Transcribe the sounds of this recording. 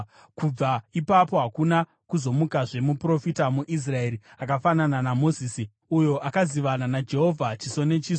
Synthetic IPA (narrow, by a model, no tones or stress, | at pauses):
kub͡vaipapo̞ɦakuna | kuzo̞mukaʐe̞mupro̞fitamuʔis̬rae̞ɾiakafanananamo̞ziːsi | ujo̞ʔakaziʋananad͡ʒe̞ɦo̞vʱat͡ʃiso̞ne̞t͡ʃiːso